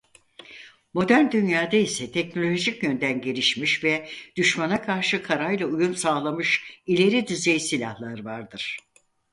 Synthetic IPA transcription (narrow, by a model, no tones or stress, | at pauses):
mo̞d̪æɾnd̪ynjaːd̪aisɛt̪ʰɛcno̞lʲo̞ʒicjønd̪ænɟe̞lʲiʃmiʃvɛd̪̥yʃmanakʰaɾʃɯkʰaɾajlˠaujumsaːlˠamɯʃilʲe̞ɾid̪yzejsilʲa̰hlˠaɾvaɾd̪ɯɾ̥